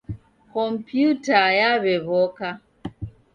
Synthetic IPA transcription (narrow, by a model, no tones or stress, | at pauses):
kɔm̩pjutajaβeβɔka